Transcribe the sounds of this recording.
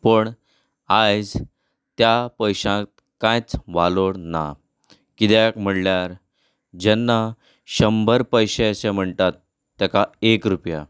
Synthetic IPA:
pəɳ | ajd͡z | t̪japəjɕãt̪̚ | kãjt͡sʋaloɽna̰ | kit̪akm̤əɽljaɾ | d͡ʑɛnːa | ɕəmbʱəɾpəjɕejɕɛm̤əɳt̪at̪ː | akaekɾupja̰

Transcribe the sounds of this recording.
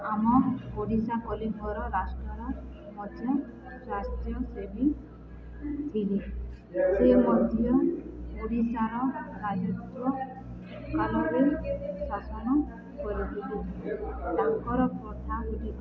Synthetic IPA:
amɔpoɽisakɔlibʱɔɾɔɾasʈɔɾɔ | mɔt͡ʃɔ | sasʈijɔsebi | t̪ʰili | semɔd̪ʱijɔpoɽisaɾɔɾad͡ʒɔt̪ɔ | kalɔkesasɔnɔ | kɔɾit̪ʰili | d̪aŋkɔɾɔpɾɔt̪ʰakuʈi

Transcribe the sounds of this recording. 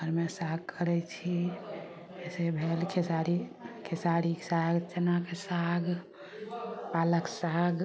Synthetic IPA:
ɡʱəɾmesaɡ̚kʰəɾɛt͡ʃʰi | ɛsebʱelkʰesaɾikʰesaɾisaɡt͡ʃenakesaɡ | paləksaɡ

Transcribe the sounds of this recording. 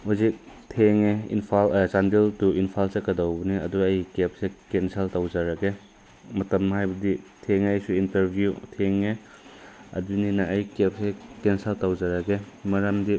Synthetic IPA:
huzik̚tʰeŋeḭnpʰalt͡ʃandiltuinpʰalsekːɐdawbɐniɐ̰duɐjkep̚sekenseltawzaɾaɡe | mɐtɐmːɦajbɐditʰeŋajsuintɐɾbʱjutʰeŋe | ɐ̰duninɐɐjkep̚sekenseltawzaɾɐɡe | mɐɾɐmdi

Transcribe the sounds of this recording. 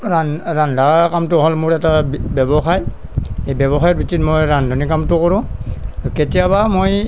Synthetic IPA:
ɹanɹandʱakamtʊɦɔlmʊɹɛtabɛbɔxaj | ejbɛbɔxajɔt̚bitʰitmojɹandʱɔnikamtʊkɔɹʊ̃ketijabamoj

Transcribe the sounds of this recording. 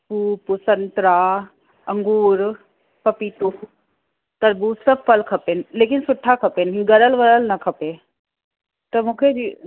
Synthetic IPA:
puːpusənt̪ɾaː | ɐ̃ŋɡuːɾ | pɐpit̪u | t̪ɐɾbusɐb̚fɐlkʰɐpenɪleːkɪnsʊʈʰːakʰɐpeːnɦĩɡɐɾəlʋɐɾəlnɐkʰɐpe | t̪ɐmũːkʰed͡ʒi

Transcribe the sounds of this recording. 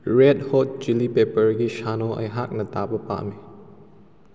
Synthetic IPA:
ɹɛd̚hɔt̚d͡ʒilipepəɹɡiʃanɔʔɐ̰jɦak̚nɐtabəpa̰ʔme

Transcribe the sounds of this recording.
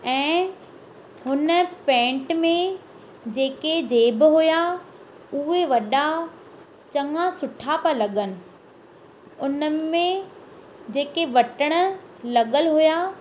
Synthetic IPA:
ɛ̃ː | ɦʊnə̆pɛ̃ːɳʈmẽ | d͡ʑeːked͡ʑeːbɪɦuja | ʊɦeʋɐɗa | t͡ɕɐ̃ŋɡasʊʈʰapəlɐɠənɪ̆ | ʊnəmẽ | d͡ʑeːkeʋɐʈəɽ̃ə̆lɐɠəlɦuja

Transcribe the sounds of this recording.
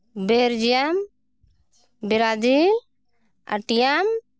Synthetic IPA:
beɾd͡ʒijam | biɾad͡ʒi | a̰ʈijam

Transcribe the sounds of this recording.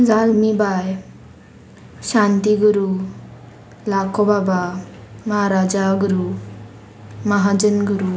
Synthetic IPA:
d͡zalmibaj | ɕant̪iɡuɾu | lakobabaməɦaɾad͡ʒaɡuɾu | məɦad͡ʒənɡuɾu

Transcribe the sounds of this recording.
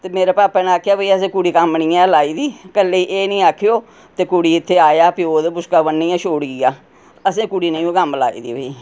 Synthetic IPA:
t̪eːmeːɾeːpaːpɛːnaːkʰːjaːbəiːəs̬ẽːkʊɽiːkəmnĩːjãːlaːiːd̪iːkəlːeiːʔeːnĩːaːkʰːejoː | t̪eːkʊɽiːɪt̪ʰːeːaːjaːpːoːd̪bʊskaːbənːiːãːʃoːɽɡiːaː | əsẽːkʊɽiːnəĩũːkəmla̰ːḭːd̪ḭːbəiː

